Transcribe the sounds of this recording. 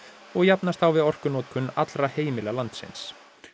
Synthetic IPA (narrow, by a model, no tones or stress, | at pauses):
ɔɣjapnast̪awvɪðɔr̥kʏnɔːt̪̚kʰʏnat̪lɾaheːjmɪlɛɣalant̪sɪ̰ns